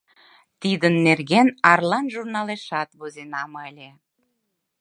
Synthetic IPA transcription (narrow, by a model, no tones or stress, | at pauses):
t̪id̪ənːerɣenɑrlɑnʒurnɑleʃɑt̪βozenɑməlʲe